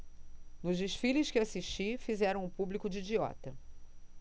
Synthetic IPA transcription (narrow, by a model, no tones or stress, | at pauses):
nʊʒd͡ʒeʃfilɪskɪasiʃt͡ʃifizɛɾɐ̃w̃ʊpublikʊd͡ʒːd͡ʒiɔ̰t̪ɐ